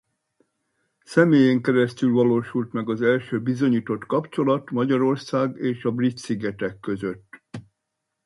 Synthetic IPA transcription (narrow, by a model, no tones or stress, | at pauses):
sɛmeːjɛŋkɛɾɛst̪ylvɒloːʃult̪mɛɡɒzɛlʃøːbizo̞ɲiːt̪o̞t̪kɒpt͡ʃo̞lɒt̪mɒɟɒɾo̞rsaːɡeːʃɒbrit̪siɡɛt̪ɛkːø̞zøt̪ː